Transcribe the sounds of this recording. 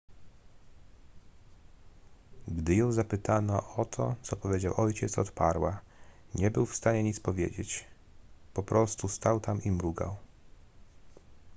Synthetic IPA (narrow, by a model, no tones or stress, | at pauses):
ɡd̪ɘjɔ̃w̃zapɘt̪anɔʔɔt̪ʰɔ̰t̪sɔpɔvʲjed͡ʑawʔɔjt͡ɕɛt̪sɔt̪paɾwa | ɲɛbɘwfst̪aɲɛɲit̪spɔvʲjḛd͡ʑet͡ɕ | pɔpɾʔɔst̪ust̪awt̪amimɾuɡa̰w